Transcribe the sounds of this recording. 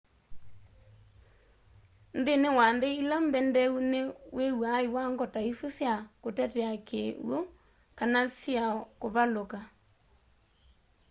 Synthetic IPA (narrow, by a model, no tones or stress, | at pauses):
ndenewanðeilambɛndɛunewewaiwaŋɡɔtaisosjakotɛtɛakḛw̰ɔ | kanasjaɔkoβaloka